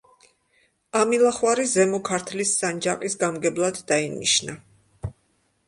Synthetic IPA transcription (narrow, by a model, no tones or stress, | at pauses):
amilˠaχwaɾizɛmɔkʰaɾt̪ʰlisːand͡ʒaqʼisɡamɡɛblˠad̪ːainḭʃna